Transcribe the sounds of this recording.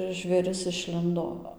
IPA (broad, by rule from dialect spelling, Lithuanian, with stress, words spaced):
ʒʲʋʲeːˈrʲɪs ɪʃʲˈlʲɪndoː